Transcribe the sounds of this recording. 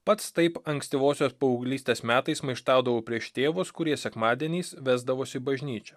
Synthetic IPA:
pɐt̪st̪ɐɪpɐŋksʲt̪ʲɪʋoːsʲoːspɐʊːɡlʲiːsʲt̪ʲeːsmʲæːt̪ɐɪsmɐɪʃt̪ɑˑʊd̪ɐʋoːpʲɾʲiɛʃt̪ʲeːʋʊskʊɾʲiɛsʲɛkmɑːd̪ʲɛnʲiːsʋʲæːzd̪ɐʋoːsʲɪbɐʒʲnʲiːt͡ʃʲɛ

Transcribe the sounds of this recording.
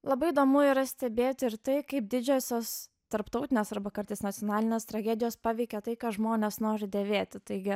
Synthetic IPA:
lˠɐbɐɪɪd̪oːmʊɪiɾɐsʲt̪ʲɛbʲeːt̪ʲɪɾt̪ɐɪkɐɪp̚d̪ʲɪd͡ʒʲoːsʲoːs | t̪ɐɾpt̪ɐʊt̪ʲɪnʲeːsɐɾbɐkɐɾt̪ɐɪsnɐtt͡s̪ʲɪjoːnɑːlʲɪnʲeːst̪ɾɐɡʲæːd̪ʲɪjoːspɑːʋʲɛɪkʲɛt̪ɐɪkɑːʒmoːnʲeːsnoːɾʲɪd̪ʲeːʋʲeːt̪ʲɪt̪ɐɪɡʲɪ

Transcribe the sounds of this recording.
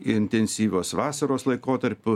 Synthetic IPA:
ɪɪnʲt̪ʲɛnʲsʲiːʋʲoːsʋɑːsɐɾoːslˠɐɪkoːt̪ɐɾʲpʲʊ

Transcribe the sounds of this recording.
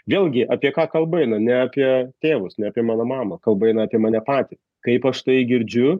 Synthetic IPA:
ʋʲeːlˠʲɡʲɪʔɑːpʲiɛkɑːkɐlˠbɐɛɪnɐnʲɛaːpʲiɛt̪ʲeːʋʊsnʲɛapʲiɛmɑːnɐmɑːmɐkɐlˠbɐɛɪnɐapʲiɛmɑːnʲɛpɑːt̪ʲɪs | kɐɪpɐʃt̪ɐɪɡʲɪɾʲd͡ʒʲʊ

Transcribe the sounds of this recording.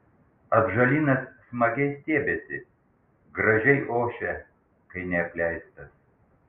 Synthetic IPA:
ɐbʒɐlʲiːnɐsːmɐɡʲɛɪsʲt̪ʲeːbʲesʲɪ | ɡɾɐʒʲɛɪʔoːʃʲɛ | kɐɪnʲɛɐpʲlʲæɪst̪ɐs

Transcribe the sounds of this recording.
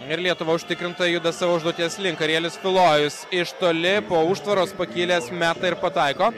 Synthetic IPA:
ɪɾlʲiɛt̪ʊʋɐʊʃʲt̪ʲɪkɾʲɪnt̪ɐjʊd̪ɐsɑːʋoːʊʒd̪uɔt̪ʲiɛslʲɪŋkɐɾʲiɛlʲɪsfʲɪlˠoːjʊsɪʃt̪oːlʲɪpoːuːʃt̪ʋɐɾoːspɐkʲiːlʲeːsmʲæːt̪ɑɪɾpɐt̪ɐɪkoː

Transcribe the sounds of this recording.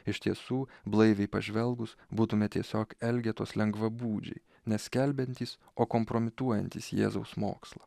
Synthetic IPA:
ɪʃʲt̪ʲiɛsuːblˠɐɪʋʲɛɪpɐʒʲʋʲɛlˠɡʊsbuːt̪ʊmʲɛt̪ʲiɛsʲoːkɛlʲɡʲɛt̪o̰ːslʲɛŋɡʋɐbuːd͡ʒʲɛ̰ɪ | nʲɛsʲkʲɛlʲbʲɛnʲt̪ʲiːs | oːkompɾoːmʲɪt̪uɔjɛnʲt̪ʲiːsjḛːzɐʊsmo̰ːkslˠɐ

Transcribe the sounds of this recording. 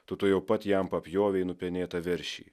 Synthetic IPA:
t̪oːt̪oːjɛʊpɐt̪ʲjɛmpɐpʲjoːʋʲɛɪnʊpʲɛnʲeːt̪ɐʋʲɪɾʲʃʲḭː

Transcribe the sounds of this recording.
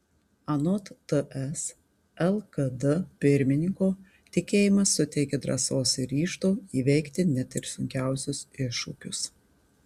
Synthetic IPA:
ɐnɔt̪t̪əɛs | ɛlˠkɐd̪əpʲɪɾʲmʲɪnʲɪŋkoː | t̪ʲɪkʲeːjɪmɐsːʊt̪ʲɛɪkʲɛd̪ɾɐ̰soːsɪɾʲiːʃt̪oːiːʋʲɛɪkt̪ʲɪnʲɛt̪ɪɾsʊŋʲkʲæˑʊsʲʊsɪʃːʊ̰kʲʊs

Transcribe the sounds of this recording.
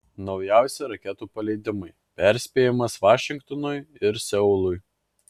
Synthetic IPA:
nɒʊjæˑʊsʲeɾɐkʲɛt̪uːpɐlʲɛɪd̪ʲɪmɐɪ | pʲæˑɾʲsʲpʲeːjɪmɐsʋɑːʃʲɪŋkt̪ɔnɔjɪɾsʲɛʊlˠʊj

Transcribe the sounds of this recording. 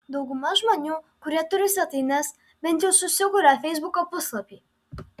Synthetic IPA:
d̪ɔʊɡʊmɐʒmɔnʲuːkʊɾʲiɛt̪ʊɾʲɪsʲɐt̪inɛs | bʲɛnt̪ʲjɛʊsʊsʲɪɡʊɾʲɛfʲɛɪzbukɔpʊslˠɐpʲiː

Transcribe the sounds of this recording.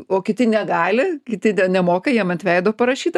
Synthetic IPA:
oːkʲɪt̪ʲɪnʲɛɡɑːlʲɪkʲɪt̪ʲɪt̪ʲɛnʲɛmoːkɐjiɛmɐt̪ʲʋʲɛɪd̪oːpɐɾɐʃʲiːt̪ɐ

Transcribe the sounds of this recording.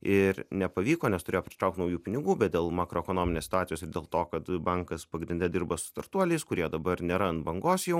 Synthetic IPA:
ɪɾnʲɛpɐʋʲiːkoːnʲɛst̪ʊɾʲeːjoːpʲɾʲɪ̥t̪ɾɐˑʊkt̪nɐʊjuːpʲɪnʲɪɡuːbʲɛt̪̚dʲeːlˠmɑːkɾoːɛkoːnoːmʲɪnʲeːst̪ɑːt̪ʲɪjoːsɪɾd̪ʲeːlˠt̪oːkɐt̪bɐŋkɐspɐɡɾʲɪnʲd̪ʲɛd̪ʲɪɾbɐsʊ̥st̪ɐrt̪uɔlʲɛɪskʊɾʲiɛd̪ɐbɐɾnʲɛɾɐnt̪bɐŋɡoːsjɛʊ

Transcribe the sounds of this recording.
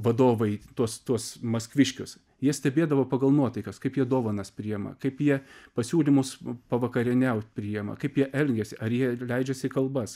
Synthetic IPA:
ʋɐd̪oːʋɐɪt̪uɔst̪uɔsmɐskʋʲɪʃʲkʲʊs | jiɛsʲt̪ʲɛbʲeːd̪ɐʋoːpɐɡɐlˠnuɔt̪ɐɪkɐskɐɪpjiɛd̪oːʋɐnɐspʲɾʲijɛmɐ̰kɐɪpjiɛpɐsʲuːlʲɪmʊspɐʋɐkɐɾʲɪnʲɛʊt̪ʲpʲɾʲijɛmɐ̰kɐɪpjiɛʔɛlʲɡʲɛsʲɪʔɐɾjiɛlʲɛɪd͡ʒʲɛsʲɪkɐlˠbɐs

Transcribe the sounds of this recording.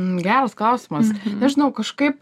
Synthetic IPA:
ɡʲæːɾɐsklˠɐʊsʲɪmɐsnʲɛʒʲɪnɐʊkɐʃkɐɪp

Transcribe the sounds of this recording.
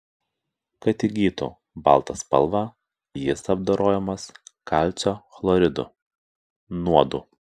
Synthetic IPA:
kɐt̪ʲɪɡʲiːt̪ṵː | bɑ̰lˠt̪ɐspɐ̰lˠʋɑ | jɪsɐbd̪oɾʔoːjɛmɐskɑˑlʲt̪sʲoːxlˠɔɾʲɪd̪ʊ̰ | nuɔd̪uː

